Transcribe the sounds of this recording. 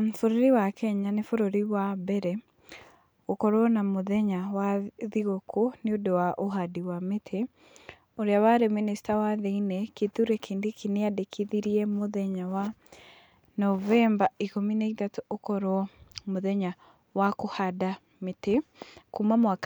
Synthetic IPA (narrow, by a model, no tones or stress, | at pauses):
foɾoɾiwakɛɲanefoɾoɾiwabɛɾɛ | okɔɾwɔnamoðɛɲawaðiɣokʰoneodowaʔoɦadiwametʰe | oɾeawaɾeministawaðeinɛkeðuɾɛkʰeːndekʰineadekʰiðiɾiɛmoðɛɲawa | nɔvɛmbaikominaitatoʔokɔɾɔmoðɛɲa | wakohada | mete | kumamwak